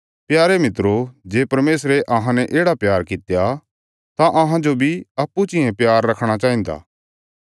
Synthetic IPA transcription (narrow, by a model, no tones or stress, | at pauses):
pjaːɾemɪt̪ɾod͡ʒeːpɐɾmeːsɾeʔɐɦãnɛʔeːɽapjaːɾkɪt̪ja | t̪ãʔɐɦãd͡ʒobʱiɐpːut͡ʃɪ̃ɛ̃pjaːɾːɐkʰɽ̃at͡ʃaːɦĩnd̪a̰ː